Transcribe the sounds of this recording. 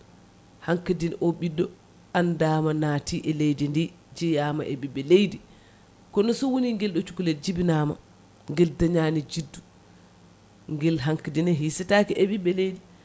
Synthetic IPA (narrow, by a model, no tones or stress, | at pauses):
haŋkadinʔoɓidːɔ | andaːmanaːtiʔɛlejdindi | d͡ʒɛjaːmaʔeɓiɓɛlejdi | kɔnɔsɔwoniŋɡɛlɗɔt͡ʃukulɛd͡ʒibinama̰ | ŋɡɛldaɲaːnid͡ʒidːu | ŋɡɛlɦaŋkadinɛɦisɛtakiʔɛɓiɓɛlejdi